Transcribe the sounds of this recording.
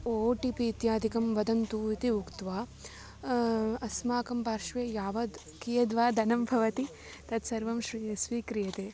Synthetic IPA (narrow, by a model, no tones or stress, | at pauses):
oːʈipiːt̪jaːd̪ʱikɐmʋɐd̪ɐnt̪uːit̪iukt̪ʋaː | ɐsmaːkɐmpaːɾʃʋeːjaːʋɐd̪ | kijɐd̪ʋaːd̪ɐnɐmbʱɐʋɐt̪i | t̪ɐt̪sɐɾʋɐmʃɾiɐsʋiːkɾijɐt̪eː